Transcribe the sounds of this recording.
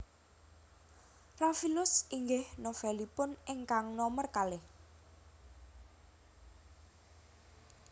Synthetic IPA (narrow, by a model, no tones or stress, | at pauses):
rafilʊsiŋɡɪhnofɛlipʊneŋkaŋnɔmərkalɪh